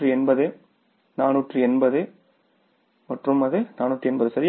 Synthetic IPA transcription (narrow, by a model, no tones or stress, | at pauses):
ʈrɯɛnbɐðɯ | naːnuːʈrɯɛnbɐðɯ | mɐʈrɯmɐðɯnaːnuːʈrɯɛnbɐðɯsɐɾɪ